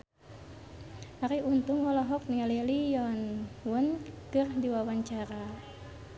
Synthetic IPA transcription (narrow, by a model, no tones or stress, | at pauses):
aɾiunt̪uŋwɔlɔɦɔk̚niŋalilijɔnwunkɨrdiwawaɲt͡ʃaɾa